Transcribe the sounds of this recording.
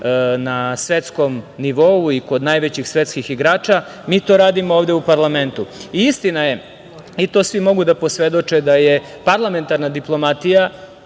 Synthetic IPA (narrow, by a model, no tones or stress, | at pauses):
nasʋe̞t̪sko̞mniʋo̞uiko̞d̪najʋet͡ɕixsʋe̞t̪skixiɡɾaːt͡ʃa | miːt̪o̞ːɾaːd̪imoovd̪eupaɾlˠame̞nt̪uiist̪inaje̞ | it̪osʋimo̞ɡud̪apo̞sʋe̞d̪o̞t͡ʃed̪aje | paɾlˠame̞nt̪aɾnad̪iplˠo̞mat̪ija